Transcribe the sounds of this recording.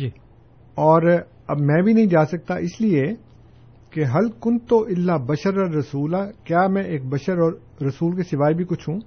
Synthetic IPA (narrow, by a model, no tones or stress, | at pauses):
d͡ʒiː | ɔːɾ | ɐbmɛ̃ːbʱinɐɦĩd͡ʒaːsɐk̚t̪aʔɪslie | keɦɐlkʊnt̪oʔɪlːabɐʃəɾɐːɐsuːlakjaːmɛ̃ʔeːk̚bɐʃəɾɔːɾː | ɐsuːlk̬esɪʋaːibʱikʊt͡ʃʰɦũː